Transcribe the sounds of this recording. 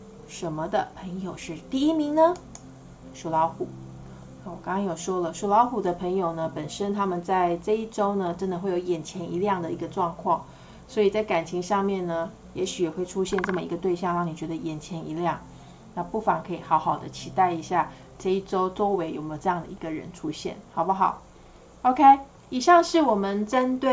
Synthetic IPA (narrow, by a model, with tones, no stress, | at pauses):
ʂə˧˥nmə˧d̪ə˨pʰə˧˥ŋjo˨˩ʊʂɻ̩˥˧t̪i˥˧i˥mi˧˥ŋnə˧ | ʂu˧˥lɑ˧˥ʊxu˨˩˦ | wɔ˨˩kɑ˥ŋkɑ˥ŋjo˨˩ʂwɔ˥lə˨ʂu˧˥˩lɑ˧˥ʊxu˨˩d̪ə˦pʰə˧˥ŋjo˨˩ʊnə˦pə˨˩nʂə˥nt̪ʰa˥mə˨nt͡sa˥˧ɪʈ͡ʂɤ˥˧i˥˩ʈ͡ʂo˥ʊnə˨ʈ͡ʂə˥nd̪ə˨˧xwe˥˩ɪjo˧˥ʊjɛ˨˩nt͡ɕʰjɛ˧˥ni˧˥ljɑ˥˩ŋd̪ə˩i˧˥ɡə˧ʈ͡ʂwɑ˥˧ŋkʰwɑ˥˩ŋ | swɔ˧˥i˨˩t͡sa˥˩ɪka˨˩nt͡ɕʰi˧˥ŋʂɑ˥˧ŋmjɛ˥˩nnə˩ | jɛ˧˥ɕy˨˥jɛ˨˩xwe˥˩ɪʈ͡ʂʰu˦ɕjɛ˥˧nʈ͡ʂɤ˥˩mə˩ḭ˧ɡə˧t̪we˥˧ɪɕjɑ˥˧ŋɻɑ˥˩ŋni˨˩t͡ɕɥɛ˧˥d̪ə˧jɛ˨˩nt͡ɕʰjɛ˧˥ni˧˥ljɑ˥˩ŋ | na˥˧pu˥˩fɑ˧˥ŋkʰɤ˧˥i˨˩xɑ˧˥ʊxɑ˨˩ʊd̪ə̰˦t͡ɕʰi˧˥t̪a˥˩ɪi˧˥ɕja˥˩ | ʈ͡ʂɤ˥˧i˥˩ʈ͡ʂo˥ʊt͡so˥ʊwe˧˥ɪjo˨˩ʊme˧˥o˨˩ʈ͡ʂɤ˥˧jɑ˥˩ŋd̪ə̰˩i˧˦ɡə˨ɻə̰˧˦nʈ͡ʂʰu˥ɕjɛ̰˥˩nxɑ˨˩ʊbə˦xɑ̰˨˩˦ʊ | o˥ʊkʰe˥ɪ | i˨˩ɕjɑ˥˧ŋʂɻ̩˥˩wɔ˨˩mə˨nʈ͡ʂə˥nt̪we˥˩